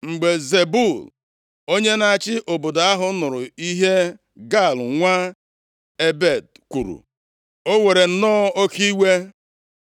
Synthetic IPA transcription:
ŋ͡m̩˨ɡ͡be˨ze˨bu˦˨l | o˦ɲe˦na˨a˨t͡ʃɪ˦ʔo˨bo˨da˨a˦ɦʊ˨˦nʊ˨ɾʊ˨i˦ɦe˦ | ɡa˦˨lŋʷa˦ | e˦be˦˨d̚ | kʷu˨ɾṵ˨ | o˦we˨ɾe˨n̩˦nɔː˦o˦ki˦we˦

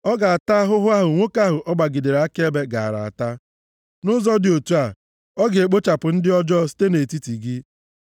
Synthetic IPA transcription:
ɔ˦ɡa˨a˨ta˦ɦʊ˦ɦʊ˦a˦ɦʊ˨ŋʷo˦ka˦ɦʊ˨ʔɔ˦ɡ͡ba˨ɡi˨de˨ɾa˦ke˦be˦ɡa˨a̰˨ɾa̰˨a̰˨ta˦ | nʊ˦zɔ˦dɪ˨o˨tu˦a˨ | ɔ˦ɡe˨k͡po˦t͡ʃa˨pʊ˨n̩˦dɪ˦ɔ˦d͡ʒɔ˦s̬i̥˦te˦ne˨ti˦ti˨ɡɪ˦

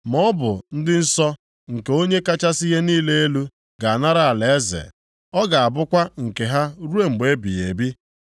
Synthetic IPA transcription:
mɔ˦bʊ˨n̩˦dɪ˦n̩˦sɔ˦ | ŋ̩˨ke˨o˦ɲe˦ka˦t͡ʃa˦si˦ɦe˦niː˦le˦e˦lu˦ | ɡa˨a˨na˦ɾa˦a˨le˨˦zḛ˨ | ɔ˦ɡa˨a˨bʊ˦kʷa˦ŋ̩˨ke˨ɦa˦ɾu˦e˦˨ŋ͡m̩˨ɡ͡be˦bḭ˨je˨bi˦

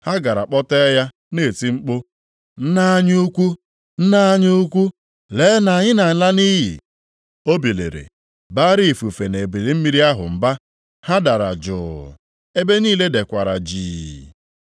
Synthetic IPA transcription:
ha˦ɡa˨ɾa̰˨k͡pɔ˦te˦ja˦ | ne˦˨ti˦ŋ͡m̩˦k͡po˦ | n̩˦na˦a˦ɲ˦u˦kʷu˦ | n̩˦na˦ɲʊ˦u˦kʷu˦ | leː˨˦na˨a˨ɲɪ˦na˨ɲɪ˦la˦ni˦jḭ˨ | o˦bi˨lḛ˨ɾḛ˨ | ba˦ɾi˦˨fu˨fe˨ne˨bi˨li˨˦m̩˦mi˦ɾi˦a˦ɦʊ̰˨m̩˨ba˦ | ha˦da˨ɾa˨d͡ʒʊ̰ː˨ | e˦be˦niː˦le˦de˨kʷa˨ɾa̰˨d͡ʒiː˨

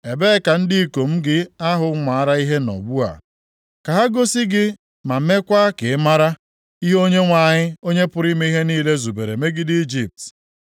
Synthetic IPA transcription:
e˨beː˦ka˨n̩˦dɪ˦˨ko˨m̩˦ɡɪ˦a˦ɦʊ˨˦ŋʷaː˨a˦ɾa˦i˦ɦe˦nɔ̰˨ɡ͡bu˦a̰˨ | ka˨ɦa˦ɡo˦si˦ɡɪ˦ | ma˨m̩˦me˦kʷa˦ke˨ɪ˦ma˦ɾa˦ | i˦ɦo˦ɲe˦ŋʷa˨ɲɪ˦o˦ɲe˦pʊ˦ɾi˦me˦i˦ɦe˦niː˦le˦zu˨be˨ɾḛ˨me˦ɡɪ˦di˦i˦d͡ʒi˨p̚t

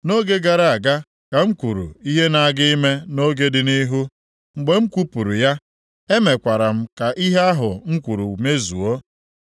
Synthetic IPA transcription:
no˦ɡe˦ɡa˨ɾa˨a˨ɡa˦ | ka˨ŋ͡m̩˦kʷu˨ɾṵ˨i˦ɦe˦na˨a˨ɡɪ˦i˦me˦no˦ɡe˦dɪ˨ni˦ɦu˦ | ŋ͡m̩˨ɡ͡be˨ŋ͡m̩˦kʷu˦pu˨ɾu˨ja˦ | e˦me˨kʷa˨ɾa˨m̩˦ka˨ʔi˦ɦe˦a˦ɦʊ˨ŋ͡m̩˦kʷu˨ɾu˨me˦zṵ˨o˦

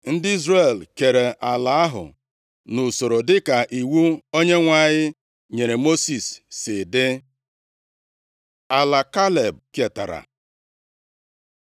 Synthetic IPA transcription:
n̩˦dɪ˦i˦zre˨lke˨ɾe˨ʔa˨la˨˦a˦ɦʊ̰˨ | nʊ˨so˨ɾo˨dɪ˦ka˨ʔi˨wu˦o˦ɲe˦ŋʷa˦˨ɲɪ˦ | ɲe˨ɾe˨mo˦si˨sːɪ˨dɪ˦ | a˨la˨ka˦le˨b̚ke˨ta̰˨ɾa̰˨

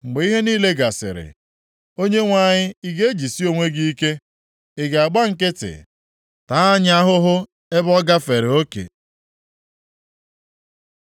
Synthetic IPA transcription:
ŋ͡m̩˨ɡ͡be˨i˦ɦe˦niː˦le˦ɡa˨sɪ̰˨ɾɪ̰˨ | o˦ɲe˦ŋʷa˦˨ɲɪ˦i˦ɡe˦e˦d͡ʒi˨si˦o˦˨ŋʷe˦ɡi˦i˦ke˦ | ɪ˨ɡa˨a˨ɡ͡ba˦ŋ̩˨kɪ˦tɪ̰˨ | ta˦a˦ɲ˦a˦ɦʊ˦ɦʊ˦ | e˦bɔ˦ɡa˦fe˨ɾe˨o˦kḛ˨

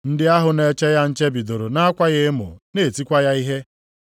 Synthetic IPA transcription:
n̩˦dɪ˦a˦ɦʊ˨ne˨t͡ʃe˦ja˦n̩˦t͡ʃe˦bi˨do˨ɾo˨na˦a˦kʷa˦ɣe˦mʊ̰˨ne˨ti˦kʷa˦ja˦i˦ɦe˦

